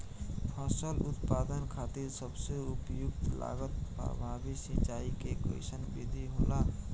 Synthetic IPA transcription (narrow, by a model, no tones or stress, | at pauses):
pʰasʈəlʊt̪paːd̪ənkʰaːt̪iɾsəbseʊpjʊkt̪la̰ːɡət̪̚pɾə̰bʱaːbisĩt͡ʃaːikeko̰ɪ̰sənbid̪ʱiɦoːla